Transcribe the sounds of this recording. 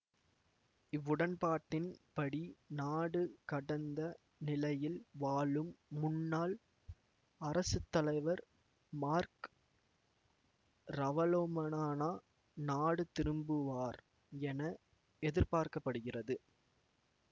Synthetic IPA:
ɪʋːʊɽɐnpaːʈːɪnpɐɽinaːɽɯkɐɽɐnd̪ɐ | nɪlɐjɪlʋaːɭɯmːʊnːaːl | ɐɾɐsɯt̪ːɐlɐɪʋɐɾ | maːɾk | ɾɐʋɐloːmɐnaːnaː | naːɽɯt̪ɪɾɯmbɯʋaːɾ | ɛnɐ | ɛðɪɾpaːɾkɐpːɐɽɯɣɪrɐðɯ

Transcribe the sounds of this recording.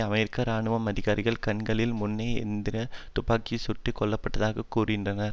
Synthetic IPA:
ɐmɛɾɪkːaɾaːɳɯʋɐmɐðɪɣaːɾɪɣɐɭkɐɳɡɐɭɪlmʊnːɐɪɛ̰nd̪ɪɾɐt̪ʊpaːkːisʊʈːɯkɔɭːɐpːɐʈːɐðaːɣɐkːuːrɪɣɪndrɐnɐɾ

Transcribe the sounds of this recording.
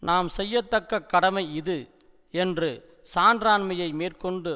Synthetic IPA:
naːmsɛjːɐt̪ːɐkːɐkːɐɽɐmɐɪɪðɯ | ɛndrɯ | saːndɾaːnmɐjɐɪmeːrkɔɳɖɯ

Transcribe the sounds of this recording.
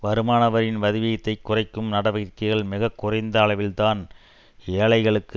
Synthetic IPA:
ʋɐɾɯmaːnɐʋɐɾɪnʋɐðɪʋɪjɐt̪ːɐɪkːʊrɐɪkːɯmnɐɽɐʋɐɪɾkːɐɪɣɐɭmɪɣɐkːʊrɐɪnd̪ɐːɭɐʋɪlt̪aːn | eːɭɐɪɣɐɭɯkːɯ

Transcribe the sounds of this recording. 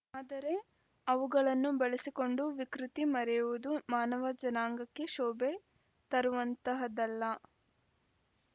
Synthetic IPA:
aːd̪ɐɾe̞ | ɐʋuɡɐɭɐnːubeɭesiko̞ɳɖuʋikɾut̪imɐɾɛjuʋud̪umaːnɐʋɐd͡ʒɐnaːŋɡɐkːe̞ʃɔːbe | t̪ɐɾuʋɐnt̪ɐɦɐd̪ɐlːɐ

